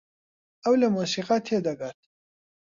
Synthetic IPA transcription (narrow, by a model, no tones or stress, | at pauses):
ɐwlɐmusiːqat̪ʰed̪ɐɡaɾt̪̚